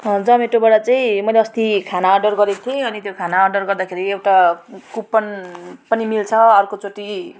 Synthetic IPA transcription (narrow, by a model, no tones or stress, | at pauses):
d͡zʌmeʈobaɽat͡saĩmʌjleʌst̪ikʰanaːrɖʌrɡʌɾekt̪ʰieʌnit̪jokʰanaːrɖʌrɡʌrd̪akʰeɾiewʈakupːʌnpʌnimilt͡sʰʌʌrkot͡soʈi